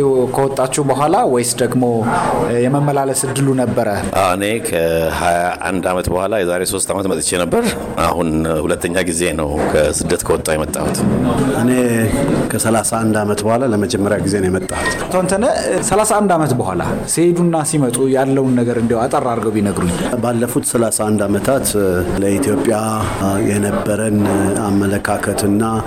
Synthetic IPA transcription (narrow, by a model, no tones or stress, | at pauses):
kʰəwɔt̪ʼːat͡ʃːɛbəɦʷalawɔjsd̪əɡmo̞jɛməmːəlaləsɨd̪ːɨlunəbːəɾəʔa̰wɨnekʰəhajaʔa̰nd̪amət̪bəhʷwalajɛzaɾeso̞st̪ʰamət̪mət̪ʼɨt͡ʃːɛnəbːəɾ | ʔa̰hunhulət̪ʰːəɲːaɡize̞nəwkʰəsɨd̪ːət̪kʰəwɔt̪ʼːawjɛmət̪ʼːa̰hut̪ʰʔɨnekʰəsəlasaʔand̪amət̪bəhʷalaləməd͡ʒɛmːəɾjaɡize̞nəjɛmət̪ʼːahut̪t̪ʰəwnt̪ʰənəsəlasaʔand̪amət̪bəhʷala̰sed̪unːasimət̪ʼujalːəwnːəɡəɾɨnd̪ihoat̪ʼərːaɾɡəwbinəɡɾuɲbalːəfut̪səlasaand̪amət̪ʰat̪ləit̪ʰjopʼːjajɛnəbːəɾənamːələkʰakʰət̪ɨnːa